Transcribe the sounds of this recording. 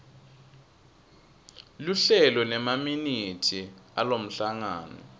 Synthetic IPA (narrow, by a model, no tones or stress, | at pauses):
luɬɛlɔnɛmaminitʰia̰lom̩ɬaŋaːnɔ̰